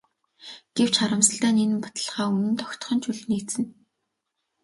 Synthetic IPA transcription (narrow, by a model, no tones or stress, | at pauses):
ɡ̥ew̥t͡ɕχaɾə̆msə̆ɬt̪æːnenɘ̆mpḁt̪ə̆ɮχʁaːunɘ̆nt̪ɔxʲt̪̆χɞ̆nt͡ɕʰuɮniːt͡sɘ̆n